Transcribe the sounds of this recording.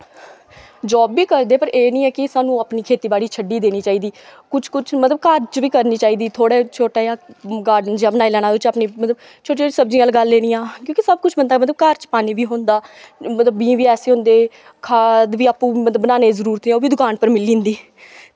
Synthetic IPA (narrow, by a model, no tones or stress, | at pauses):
d͡ʒɔːbːiːkəɾd̪eːpəɾeːnĩːɛːkɪsaːnũːapniːkʰeːt̪iːbaːɽiːt͡ʃʰəɖiːd̪eːniːt͡ʃaːiːd̪iːkʊt͡ʃʰkʊt͡ʃʰmət̪ləbkəɾt͡ʃʋiːkəɾniːt͡ʃaːiːd̪iːt̪ʰoːɽeːt͡ʃʰoːʈaːjãːɡaːɾɖənd͡ʒaːbənaːiːlɛːnaːd̪oːt͡ʃaːpniːmət̪ləb | t͡ʃʰoːʈiːsəbd͡ʒĩːaːlɡəlːeːniːãːkjõːkisəb̚kʊt͡ʃʰbənd̪aːmət̪ləb̚kəɾt͡ʃpaːniːʋiːɦõːnd̪aːmət̪ləbːĩːʋiːɛːseːɦʊ̃nd̪eː | kʰaːd̪ʋiːaːpːũːmət̪ləbənaːneːzəɾuːɾt̪ɛːoːʋiːd̪ʊkaːnpəɾmɪlĩːnd̪iː